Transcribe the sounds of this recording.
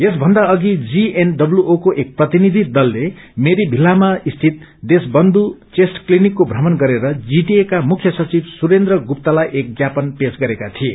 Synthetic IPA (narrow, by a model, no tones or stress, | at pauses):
esbʱʌnd̪aʌɡid͡zienɖʌbljuokoʔek̚prʌt̪inid̪ʱid̪ʌlːe | meɾibʱilːamaist̪ʰit̪̚ | d̪esbʌnd̪ut͡sesʈklinikːobʱrʌmʌnɡʌɾeɾʌd͡ziʈiekamukʰjʌsʌt͡sibsuɾend̪rʌɡup̚t̪alajʔek̚ɡjapʌnpesɡʌɾekat̪ʰie